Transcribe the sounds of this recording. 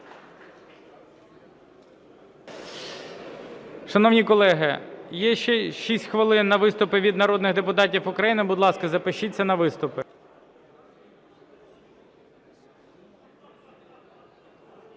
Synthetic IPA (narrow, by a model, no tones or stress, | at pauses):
ʃɐnɔwnʲikɔlˠɛɦɪjɛʃɛʃisʲtʲxʋɐlˠɪnːɐʋɪst̪ʊpɪʋʲid̪nɐɾɔd̪nɪɣd̪epʊt̪ɑtʲiwʊkɾɐjinɪbʊd̪lˠɑskɐzɐpɪʃit͡sʲːɐnɐʋɪst̪ʊpɪ